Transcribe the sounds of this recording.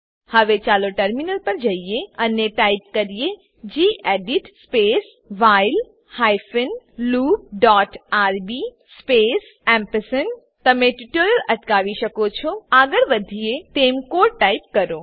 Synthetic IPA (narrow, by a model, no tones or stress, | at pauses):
həʋet͡ʃaːloʈəɾminəlpəɾd͡ʒɐijeɐneʈaip̚kəɾije | d͡ʒiːʔeɖiʈspeːs | ʋaɪl | hajfənluːb̚ɖɔːʈaːɾbi | speːs | ɛ̃mpəsən | t̪ɐmẽʈiʈoːɾəlɐʈkaːʋiʃəkot͡ʃʰoaɡəɾbəd̪ʱijet̪eːmkoːʈaipkɐɾoː